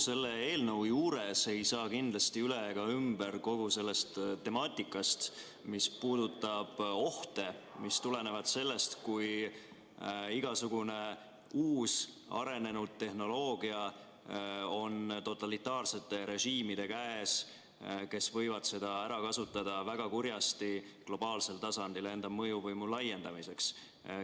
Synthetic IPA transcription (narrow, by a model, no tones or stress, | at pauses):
se̞lːeeːlnɤwjuuːɾese̞jsɑːkind̪lɑst̪iyleɡ̥ɑymb̥eɾko̞ɡ̥use̞lːe̞st̪t̪ːe̞mɑːt̪ʲːˑikːˑɑst̪ | mispuːd̪ut̪ˑːɑb̥o̞ht̪e̞mist̪ule̞ne̞vɑd̪̥se̞lːe̞st̪kuj | iɡ̥ɑsuɡ̥une̞ | uːs | ɑ̰ɾe̞ne̞nud̪̥̚t̪ːe̞hno̞lo̞ːɡ̥iɑ | o̞nt̪o̞t̪ːˑɑlit̪ːˑɑːrse̞t̪ːˑe̞ɾe̞ʒiːmid̪e̞kæes | ke̞svɤ̞jvɑd̪̥se̞d̪̥ɑæɾɑkɑsut̪ːˑɑd̪̥ɑvæɡ̥ɑkurjɑst̪i | klo̞b̥ɑːlse̞lt̪ɑsɑnd̪ile̞nd̪̥ɑmɤjuvɤjmulɑje̞nd̪ɑmise̞ks